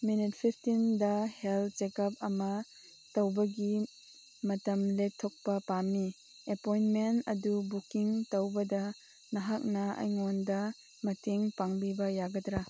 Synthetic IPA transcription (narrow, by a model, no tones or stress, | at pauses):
minit̚pʰipʰtindɐhelt̚t͡ʃekɐp̚ɐmɐ | tɐwbɐɡi | mɐtɐmletʰːok̚pɐpamːi | epojnmentɐdubukiŋtɐwbɐdɐ | nɐɦak̚nɐɐ̰jŋɔndɐ | mɐtʰeŋpaŋbibɐjaɡɐdɾa